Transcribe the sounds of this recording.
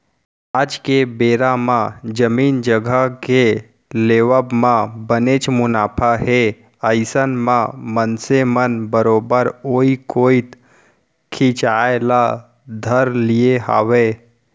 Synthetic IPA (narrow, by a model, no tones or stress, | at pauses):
aːd͡ʒkebeːɾamãd͡ʒəmiːnd͡ʒəɡʱəke | leːwəbmãbənet͡ʃmʊnaːpʰaɦe | əɪsənmãmənsemənbəɾoːbəɾoːikoːit̪ | kʰĩt͡ʃaːela | d̪ʱəɾlieɦa̰ːweː